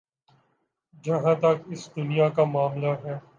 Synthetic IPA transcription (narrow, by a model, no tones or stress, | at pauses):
d͡ʒɐɦãt̪ɐkɪsd̪ʊnijakamaːmlaɦɛː